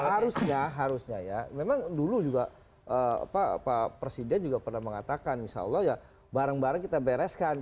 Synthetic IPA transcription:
haɾusɲaɦaɾusɲajamemaŋdulud͡ʒuɡa | ʔəa̰paa̰papɾesidɛnd͡ʒuɡapərnahməŋat̪akaninʃa̰ɔ̰lːɔhja | baɾaŋbaɾaŋkit̪abeɾɛskan

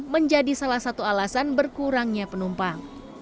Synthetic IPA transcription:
məɲd͡ʒadisalahsat̪ualasanbərkuɾaŋɲapənumpaŋ

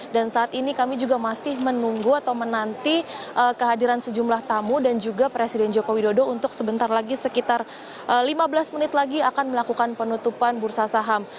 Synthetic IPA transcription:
dansaːt̪inikamid͡ʒuɡamasɪhmənuŋɡuat̪awmənant̪iʔəkəɦadiɾansəd͡ʒumlaht̪amudand͡ʒuɡapɾesidɛnd͡ʒokowidodount̪ʊksəbənt̪arlaɡisəkit̪ar | əlimabəlasmənɪt̪laɡiakanməlakukanpənut̪upanbursasaɦam

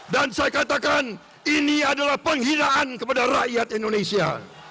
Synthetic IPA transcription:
dansajakat̪akan | iniadalahpəŋhinaankəpadaraʔjat̪indonesia̰

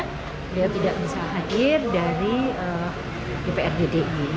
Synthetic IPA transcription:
diat̪idaʔbisaɦadɪrdaɾiə | depeɛrdedeʔɲi

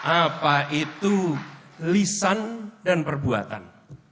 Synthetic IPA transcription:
ʔapaʔit̪u | lisandanpərbua̰t̪a̰n

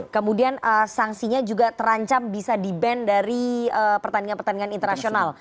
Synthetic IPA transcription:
kəmudianəsaŋsiɲad͡ʒuɡat̪əɾaɲt͡ʃambisadibɛndaɾiəpərt̪aniŋanpərt̪andiŋanint̪ərnasional

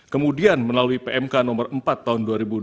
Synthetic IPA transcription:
kəmudianməlaluipeʔɛmkanɔmərəmpat̪ːaɦʊnduaɾibu

